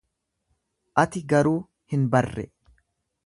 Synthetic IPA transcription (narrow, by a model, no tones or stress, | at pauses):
ʔɐt̪ɪɡɐɾuː | hɪnbɐrːɛ̰